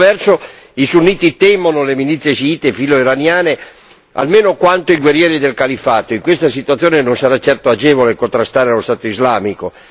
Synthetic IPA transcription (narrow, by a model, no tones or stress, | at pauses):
vɛrso | isunːiːt̪it̪ɛmonolemilit̪sːjesiiːt̪efiloiɾanjaːne | a̰lmeːnokwant̪oiɡwerjɛːɾid̪elkalifaːt̪oiŋkwest̪asit̪uat̪sːjoːnenonsaɾat͡ʃːɛrt̪oad͡ʒɛːvolekont̪ɾast̪aːɾealost̪aːt̪oizlaːmiko